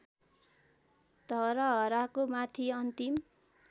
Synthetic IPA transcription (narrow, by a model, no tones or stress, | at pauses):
d̪̥ʌɾʌɦʌɾakomat̪ʰiʌnt̪im